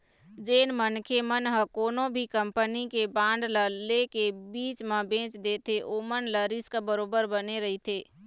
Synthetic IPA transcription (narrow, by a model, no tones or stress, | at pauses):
d͡ʒeːnmənkʰemənɦəkoːnõbʱikəmpənikebãːɳɖləlekebiːt͡ʃmẽbẽːt͡ʃd̪eːt̪ʰeʔoːmənləɾiskabəɾoːbəɾbəneɾəɦit̪ʰeː